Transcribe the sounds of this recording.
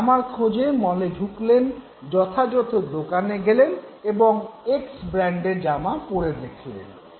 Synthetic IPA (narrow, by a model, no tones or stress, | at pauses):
amaɾkʰod͡ʑemɔleɖʱuklen | d͡ʑɔt̪ʰad͡ʑɔt̪od̪okaneɡeleneboŋeksbɾɛɳɖeɾd͡ʑamapoɽed̪ekʰilḛn